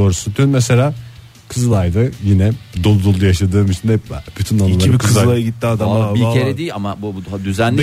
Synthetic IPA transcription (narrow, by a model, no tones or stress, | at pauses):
oːɾusut̪ʰynmɛse̞lʲaː | kʰɯzɯlˠajd̪ɯjinɛd̪o̞lˠud̪o̞lˠujaʃad̪ɯːmit͡ʃʰinɛppʰyt̪ʰynanɯilˠaibikʰɯzlˠajɯɟit̪ːiad̪abieɾɛd̪ejiamabud̪yzænlʲ